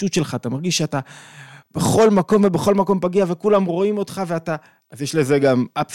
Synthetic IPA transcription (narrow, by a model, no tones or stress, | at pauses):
utʃe̞lχaːt̪amaʁɡiʃʃeatab̥eχo̞lmako̞mve̞beχo̞lmako̞mpaɡiave̞kulamʁo̞imo̞tχave̞ata | azjeʃleze̞ɡamʔap